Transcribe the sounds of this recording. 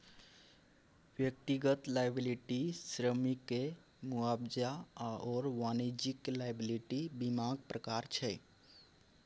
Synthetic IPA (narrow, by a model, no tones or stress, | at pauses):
ʋjək̚t̪iɡət̪lajbiliʈisɾəmike | muabd͡ʒaaʔɔɾʋanid͡ʒiklajbiliʈibimaɡpɾəkaɾt͡ʃʰɛ